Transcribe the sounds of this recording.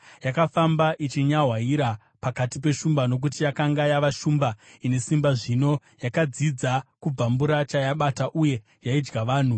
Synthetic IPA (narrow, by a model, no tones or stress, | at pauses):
jakafambaʔit͡ʃiɲaɦwaiɾa | pakatipe̞ʃumbano̞k̬utijakaŋɡajaʋaʃuːmbaine̞simbaʐino̞ | jakad͡zid͡zakub͡vambuɾat͡ʃajaɓataʔuje̞ | jaid͡ʒɡaʋaːn̤u